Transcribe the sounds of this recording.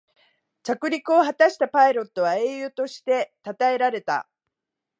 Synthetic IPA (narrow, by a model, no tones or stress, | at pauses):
t͡ɕakɯ̟ɾʲikɯo̞ɦat̪aɕi̥t̪apaiɾo̞t̪ːo̞β̞ae̞ːjɯ̟ːt̪o̞ɕi̥t̪e̞t̪at̪ae̞ɾaɾe̞t̪a̰